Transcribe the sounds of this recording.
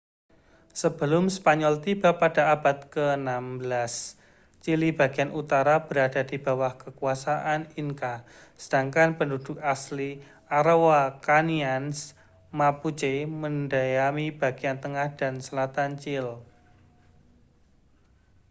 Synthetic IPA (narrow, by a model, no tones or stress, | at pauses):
səb̥əlʊmspaɲɔlt̪ib̥a̤pad̥a̤ab̥a̤t̪̚kənambəlas | t͡ʃiliba̤ɡ̥ianut̪aɾab̥əɾad̥a̤di̤ba̤wahkəkuasaʔaniŋka | səd̥aŋkanpəndud̥ʊk̚asli | ʔaɾowakanians | maput͡ʃeməndajamib̥a̤ɡ̥iant̪əŋahd̥a̤nsəlat̪ant͡ʃɪl